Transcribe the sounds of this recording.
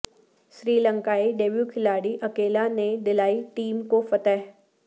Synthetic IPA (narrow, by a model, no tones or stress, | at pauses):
ʃɾiːlə̃ŋkaːiɖeːbjukʰɪlaːɽiʔɐkeːlaned̪ɪlaːiʈiːmkofɐt̪ɛɦ